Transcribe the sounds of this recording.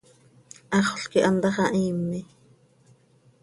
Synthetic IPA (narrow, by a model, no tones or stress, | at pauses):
ʔɑχɬkiʔɑnd̪ɑχɑʔiːmːi